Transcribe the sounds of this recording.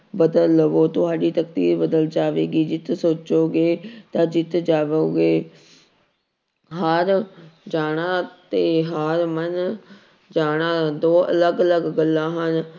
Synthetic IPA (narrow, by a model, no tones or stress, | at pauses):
bəd̪ələʋoːt̪ʊɦaːɖiːt̪əkt̪ḭːɾbəd̪əld͡ʒaːʋeːɡiːd͡ʒɪt̪soːt͡ʃoːɡeːt̪ãːd͡ʒɪt̪d͡ʒaːʋoːɡeː | ɦəɾd͡ʒaːɽ̃ãːt̪eːɦaɾmən | d͡ʒaːɽ̃aːd̪oːʔə̰ləɡələɡːəlːãːɦən